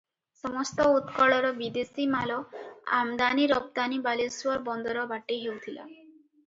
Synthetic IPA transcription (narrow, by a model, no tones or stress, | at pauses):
sɔmɔst̪ɔut̪kɔɭɔɾɔbid̪esimalɔa̰md̪aniɾɔb̚d̪anibaleswɔɾbɔnd̪ɔɾɔbaʈeɦewt̪ʰila̰